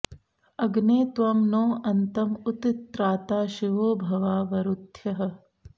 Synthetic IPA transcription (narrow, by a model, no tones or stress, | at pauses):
ɐɡneːt̪ʋɐmnoːɐnt̪ɐmut̪it̪ɾaːt̪aːʃiʋoːbʱɐʋaːʋɐɾut̪jɐɦɐ̆